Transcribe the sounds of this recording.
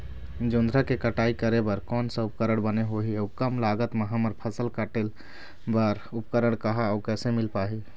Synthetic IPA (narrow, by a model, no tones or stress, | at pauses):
d͡ʒund̪ʱɾəkekəʈaikəɾebəɾkɔːnsə̃upkəɾəɽ̃bəneɦoɦieukəmlaɡət̪meɦəməɾpʰəsəlkəʈe | bəɾup̚kəɾəɽ̃kəɦaːukɛsemɪlpaɦi